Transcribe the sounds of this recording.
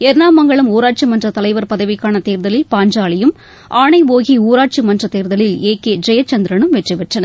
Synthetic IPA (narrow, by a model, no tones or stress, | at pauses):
ɛɾnaːmːɐŋɡɐɭɯmuːɾaːʈ̚t͡ʃimɐndrɐt̪ɐlɐɪʋɐɾpɐðɐʋɪkːaːnɐt̪eːɾðɐlɪlpaːɲd͡ʒaːɭɪjɯm | ʔaːɳɐɪʋoːɣiuːɾaːʈ̚t͡ʃimɐndrɐt̪eːɾðɐɭɪleːkeːd͡ʒɾɛjɐt͡ʃːɐnd̪ɪɾɐnɯmʋɛʈrɪʋɛʈrɐnɐ